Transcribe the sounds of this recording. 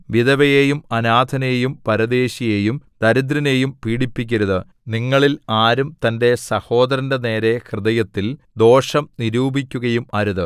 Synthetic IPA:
ʋiðɐʋɐjejumɐnaːd̪ʱɐnejjumpɐɾɐd̪e̞ːɕije̞ːjumt̪ɐɾid̪ɾɐne̞jumpiːɽipːikʲːɐɾuðɨ | niŋːɐɭilaːɾumt̪ɐnde̞sɐho̞ːd̪ɐɾɐndene̞ːɾe̞krɨðɐjɐt̪ːild̪o̞ːʂɐmniɾuːbʱikʲːuɣɐjumɐɾuðɨ

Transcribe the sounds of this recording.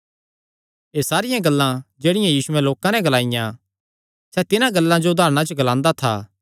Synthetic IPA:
eːsaːɾɪjãɡɐlːãd͡ʒeːɽɪjãjiːsʊɛloːkãnɛɡɐlaːɪjã | sɛt̪ɪnãɡɐlːãd͡ʒoʊd̪ʱaːɾɽ̃at͡ʃoɡɐlãːnd̪at̪ʰa̰ː

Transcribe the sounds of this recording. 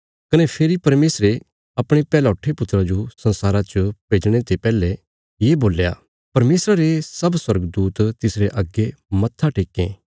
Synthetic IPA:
kɐnɛpʰeːɾipɐɾmeːsɾe | ɐpɽ̃epɛːlaʊʈʰːepʊt̪ːɾad͡ʒosɐ̃nsaːɾat͡ʃəpeːd͡ʒɽ̃et̪epɛːle | jeboːlja̰ | pɐɾmeːsɾaɾesɐbswɐɾɡd̪uːt̪t̪ɪsɾeʔɐɡːemɐt̪ʰːaʈeːkːẽ

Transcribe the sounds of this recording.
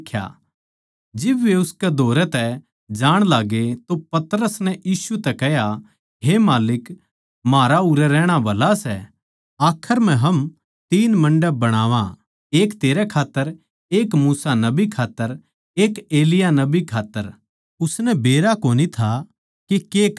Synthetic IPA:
kʰja̰ | d͡ʒɪbʋeʊskɛd̪ʱoːɾɛt̪ɛ | d͡ʒaːɽ̃laːɡet̪opɐt̪ɾəsnɛjiːsut̪ɛkɛɦja | ɦemaːlɪk | maːɾaʊɾɛɾɛːɽ̃abɐlasɛ | aːkʰəɾm̤ɛ̃ɦɐm | t̪iːnmɐ̃ɳɖəbɐɽ̃aːʋã | eːkt̪eːɾɛkʰaːt̪ːəɾ | eːkmuːsanɐbikʰaːt̪ːəɾ | eːkeːlɪjanɐbikʰaːt̪ːəɾ | ʊsnɛbeːɾakoːnit̪ʰa | kekeːk

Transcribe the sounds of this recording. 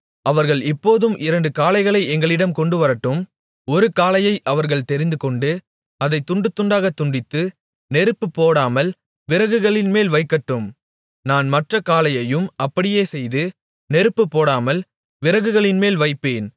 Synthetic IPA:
ʔɐʋɐɾɣɐɭɪpːoːðɯmʔɪɾɐɳɖɯkaːlɐɪɣɐɭɐɪɛŋɡɐɭɪɽɐmkɔɳɖɯʋɐɾɐʈːɯm | ɔɾɯkaːlɐjɐɪʔɐʋɐɾɣɐɭt̪ɛɾɪnd̪ɯkɔɳɖɯ | ɐðɐɪt̪ːʊɳɖɯt̪ːʊɳɖaːɣɐt̪ːʊɳɖɪt̪ːɯ | nɛɾɯpːɯpːoːɽaːmɐl | ʋɪɾɐɣɯɣɐɭɪnmeːlʋɐɪkːɐʈːɯm | naːnmɐʈrɐkaːlɐjɐjɯmɐpːɐɽɪjeːsɛjðɯ | nɛɾɯpːɯpːoːɽaːmɐl | ʋɪɾɐɣɯɣɐɭɪnmeːlʋɐɪpːeːn

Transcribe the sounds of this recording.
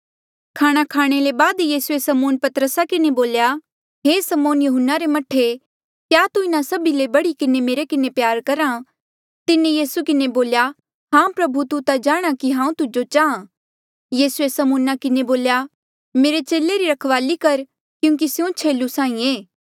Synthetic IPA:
kʰaːɽ̃akʰaːɽ̃elebaːd̪jiːsuesɐmoːnpɐt̪ɾəsakɪneboːlja | ɦeːsɐmoːnjʊɦʊnːaɾemɐʈʰːe | kjaːt̪uɪnasɐbilebɐɽikɪnemeːɾekɪnepjaːɾkɐɾã | t̪ɪnẽjiːsukɪneboːlja | ɦãːũpɾɐbʱut̪ut̪ad͡ʒaːɽ̃akiɦãːũt̪ʊd͡ʒot͡ʃaːã | jiːsuesɐmuːnakɪneboːlja | meːɾet͡ʃeːleɾiɾɐkʰʋaːlikɐɾ | kjũːk̬isɪjõt͡ʃʰeːlusãːĩeː

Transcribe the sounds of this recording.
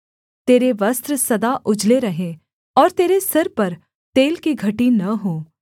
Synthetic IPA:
t̪eːɾeʋɐst̪ɾsɐd̪aʔʊd͡ʒleɾɐɦẽ | ɔːɾt̪eːɾesɐɾpɐɾ | t̪eːlkiɡʱɐʈinɐɦoː

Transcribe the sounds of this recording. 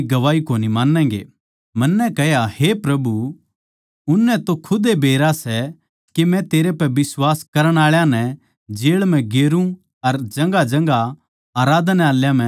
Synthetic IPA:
ɡɐʋaːikoːnimãːnːɛ̃ːŋɡḛː | mɐnːɛkɛjahepɾɐbu | ʊnːɛt̪okʰʊd̪ebʱeːɾasɛ | kemɛ̃t̪eːɾepɛbɪswaːskɐɾəɽ̃aːɭjãnɛ | d͡ʒeːɭmɛ̃ɡeːɾũ | ɐɾd͡ʒɐ̃ŋɡad͡ʒɐ̃ŋɡa | aːɾaːd̪nɛaːljãmɛ̃

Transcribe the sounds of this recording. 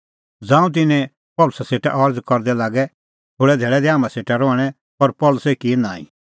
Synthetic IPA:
d͡zãːũt̪̬ɪnɛ̃ | pɔlʊsɛseːʈa̰ʔɔɾd͡zkɔɾd̪ɛlaːɡɛ | t̪ʰoːɽɛd̪ʱeːɭɛd̪ɛaːmãseːʈaɾɔːɽ̃ɛ | pɐɾpɔlʊsɛkiɛnãːḭ̃

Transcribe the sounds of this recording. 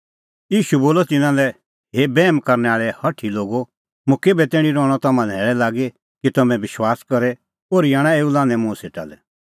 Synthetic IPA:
jiːʃuboːlɔt̪ɪnãlɛ | ɦebɛːmkɐɾnɛaːɭɛhɐʈʰiloːɡo | mʊ̃keːbɛt̪eːɽ̃ĩɾɔːɽ̃ɔt̪ɐmãnɛːɭɛlaːɡe | kit̪ɐmɛ̃bɪʃwaːskɐɾɛ | oːɾjaːɽ̃ãeːulãːnɛ̃mʊ̃seːʈa̰lɛ

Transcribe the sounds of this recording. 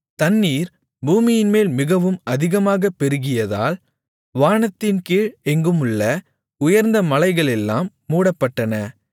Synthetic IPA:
t̪ɐnːiːɾ | buːmɪjɪnmeːlmɪɣɐʋɯmɐðɪɣɐmaːɣɐpːɛɾɯɣɪjɐða̰ːl | ʋaːɳɐt̪ːɪnkiːɻɛŋɡɯmɯɭːɐ | ʊjɐɾnd̪ɐmɐlɐɪɣɐɭɛlːaːmːuːɽɐpːɐʈːɐnɐ

